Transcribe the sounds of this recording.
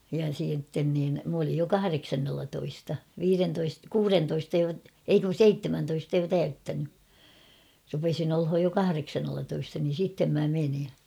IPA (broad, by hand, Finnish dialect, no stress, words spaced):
jɑ siːtːen niːn m olij jo kɑhɑreksɑnːelːɑtoistɑ ʋiːrentoist kuːrentoistɑ jo ei kun̞ seitːemæntoistɑ jo tæytːæny rupesin olhoj jo kɑhɑreksɑnːelːɑtoistɑ niːn̞ sitːem mæ meni